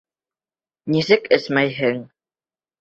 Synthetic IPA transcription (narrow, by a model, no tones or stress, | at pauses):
nisɘkɘ̆smæjɦɘŋ